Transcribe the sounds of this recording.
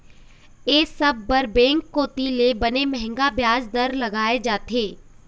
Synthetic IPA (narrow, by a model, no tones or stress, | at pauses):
eːsɐbːɐɾbɛ̃ːŋkːoːt̪ilebɐnemɛɦɛ̃ŋɡabjaːzd̪ɐɾlɐɡaːed͡ʒaːt̪eː